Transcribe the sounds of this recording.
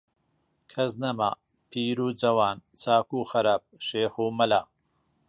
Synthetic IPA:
kʰɐznɐma̰ː | pʰiːɾuːd͡zɐwaːnt͡sʰaːkuːxɐɾaːp̚ʃeːxuːmɐlaː

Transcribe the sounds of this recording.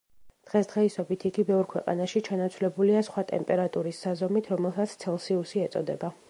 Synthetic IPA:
d̪̥ʁɛsd̪̥ʁɛisɔbit̪ʰiɡibɛvɾkʰwɛqʼa̰naʃit͡ʃʰanat̪sʰvlɛbuliasχwat̪ʼɛ̰mpʼɛɾat̪ʼuɾisːazɔmit̪ʰɾɔmɛlˠsat̪sʰt̪sʰɛlˠsiusiɛt̪sʼɔ̰d̪ɛba

